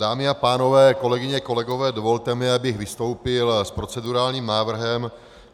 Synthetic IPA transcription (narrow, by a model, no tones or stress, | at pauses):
daːmɪapaːno̞vɛːko̞lɛɡɪɲɛko̞lɛɡo̞vɛːdo̞vo̞lt̪ɛmɪabɪxvɪst̪o̞wpɪlspɾo̞t͡sɛduɾaːlɲiːmnaːvr̩ɦɛm